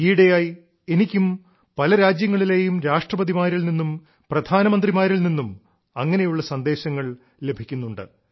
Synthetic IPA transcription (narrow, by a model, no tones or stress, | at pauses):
iːɽejaːj | e̞nikʲːum | pɐlɐɾaːd͡ʑjɐŋːɐɭileːjumɾaːʂʈrɐbɐðimaːɾilninːum | prɐd̪ʱaːnɐmɐnd̪rimaːɾilninːum | ɐŋːɐne̞juɭːɐsɐnd̪e̞ːɕɐŋːɐɭ | le̞bʱikʲːunːuɳɖɨ̰